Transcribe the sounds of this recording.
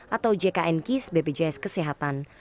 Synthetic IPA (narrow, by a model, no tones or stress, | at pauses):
ʔat̪awd͡ʒekaʔɛnkisbebed͡ʒajskəseɦat̪an